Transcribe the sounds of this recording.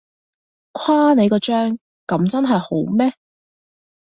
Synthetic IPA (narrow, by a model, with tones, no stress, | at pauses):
kʷʰaː˥ne˨˧jkɔː˧t͡ʃœː˥ŋ | kɐ˨˥mt͡sɐ˥nɦɐ˨jho˨˥wmɛː˥